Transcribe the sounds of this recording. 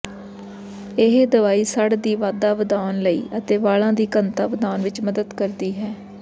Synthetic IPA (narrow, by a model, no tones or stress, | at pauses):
ɪɦd̪əʋaːiːsəɽd̪iːʋaːd̪aːʋəd̪aːnləḭːʔət̪eːʋaːlãːd̪iːkənt̪aːʋəd̪aːnʋɪt͡ʃməd̪əd̪kəɾd̪iːɦɛː